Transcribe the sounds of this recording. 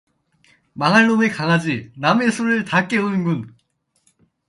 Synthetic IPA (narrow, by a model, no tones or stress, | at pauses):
maŋaɭːonekaŋɦad͡ʑiname̞sʰoɾɯɭtak͈e̞ɯnɯnɡun